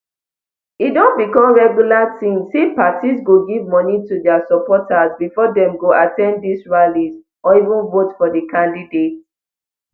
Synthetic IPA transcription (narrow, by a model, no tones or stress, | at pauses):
idõnbikɔ̃mɹɛɡjulatĩmsẽpatisɡoɡivmɔnitudɛasɔpɔtazbifɔdɛ̃mɡoʔatɛ̃nddisɹaliz | ɔivũnvotfɔdəkʰãndidet